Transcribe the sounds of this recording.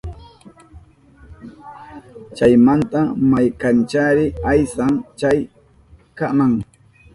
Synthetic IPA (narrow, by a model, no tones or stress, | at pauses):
t͡ʃajmant̪amajkant͡ʃaɾɪajsaŋt͡ʃaj | kamaŋ